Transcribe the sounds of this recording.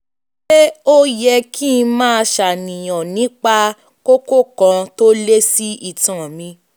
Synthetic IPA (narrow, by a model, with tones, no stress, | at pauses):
ʃe˦o˦jɛ˧kʰi˦˧mãː˦˧ʃa˨nĩ˨j̃ɔ̃˨nĩ˨˦k͡pa˦ | ko˦ko˦kã˧to˦le˦si˦i˦˨tã˨mĩ˧